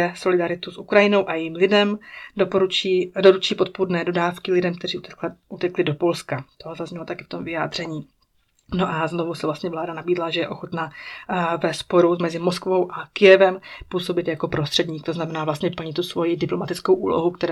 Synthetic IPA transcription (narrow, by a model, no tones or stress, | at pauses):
ɛso̞lɪdaɾɪt̪usʔukɾajɪno̞wʔajɛjiːmlɪdɛmdopoɾut͡ʃiːdoɾut͡ʃiːpo̞t̪̚pudnɛːdo̞daːfkɪlɪdɛmkt̪ɛriːʔut̪ɛklɪdo̞po̞lskat̪oɦzazɲɛlo̞t̪akɪft̪o̞mvɪjaːd̪r̝̥ɛɲiː | no̞ʔazno̞vusɛvlast̪ɲɛvlaːdanabiːdlaʒɛjɛʔo̞xot̪na | vɛspo̞ɾumɛzɪmo̞skvo̞wʔakɪjɛvɛmpuːso̞bɪt̪jako̞pɾo̞st̪r̥ɛdɲiːk̚t̪oznamɛnaːvlast̪ɲɛpl̩ɲɪt̪t̪ːusvo̞jidɪplo̞mat̪ɪt͡skowʔṵːlo̞ɦukt̪ɛɾ